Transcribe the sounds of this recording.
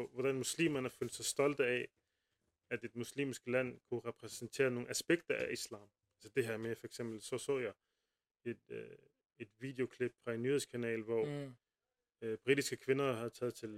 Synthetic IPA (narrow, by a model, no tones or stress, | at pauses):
ɒʋɒd̥ænmuslḭːmɐn̩hæɐføld̥sɑ̈ɪsd̥ɒ̽ld̥əæ | æd̥e̝d̥muslḭːmsɡ̥əlæn̰kʰuʁɛpʰʁɛsnt͡sʰe̝̰ːɐno̝ːŋn̩æsb̥eɡ̥̚d̥ɐʔæislɑ̰̈ːm | ælsəd̥e̝ɦæɐmefɒ̽eɡ̥sem̰b̥l̩sɒ̽sɔ̰ːjɑ̈ɪ | ed̥ | e̝d̥ʋḭːd̥e̝o̝kʰleb̥̚fɒ̽e̝nːyːheðˠskʰænɛ̰ːlʋɒ | b̥ʁid̥isɡ̥əkʰʋe̝nɐhæðˠt͡sʰɛːð̞̩ˠt͡sʰe̝l